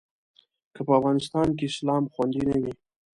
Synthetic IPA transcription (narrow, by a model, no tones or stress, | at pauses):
kəpəavɣɑnɪst̪ɑnk̬eɪslɑmxwand̪inawi